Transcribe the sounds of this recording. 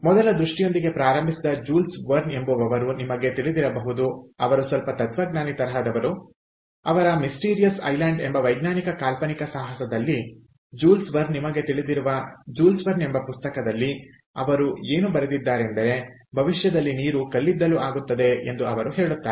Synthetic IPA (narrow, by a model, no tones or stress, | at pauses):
mɔd̪ɐlɐd̪ɾuʂʈijo̞nd̪iɡe̞pɾaːɾɐmbʱisid̪ɐd͡ʒuːlsʋɐɾne̞mbuʋɐʋɐɾunimɐɡe̞t̪iɭid̪iɾɐbɐɦud̪uɐʋɐɾusʋɐlpɐt̪ɐt̪ʋɐɡnaːnit̪ɐɾɐɦɐd̪ɐʋɐɾu | ɐʋɐɾɐmisʈiːɾijɐsɐ̰jlaɳɖembɐʋɐjɡnaːnikɐkaːlpɐnikɐsaːɦɐsɐd̪ɐlːi | d͡ʒuːlsʋɐɾnːimɐɡe̞t̪iɭid̪iɾuʋɐd͡ʒuːlsʋɐɾne̞mbɐpust̪ɐkɐd̪ɐlːi | ɐ̰ʋɐɾue̞ːnubɐɾed̪id̪ːaːɾeend̪ɐɾe̞ | bʱɐʋiʃjɐd̪ɐlːiniːɾukɐlːid̪ːɐluʔaːɡut̪ːɐd̪e̞end̪uɐʋɐɾuɦe̞ːɭut̪ːaːɾe